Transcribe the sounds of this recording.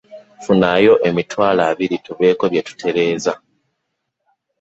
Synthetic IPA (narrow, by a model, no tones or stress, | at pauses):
funajo̞ʔe̞mitwaːlaːβiɾituβe̞ːko̞βje̞tu̥tʰe̞ɾe̞ːza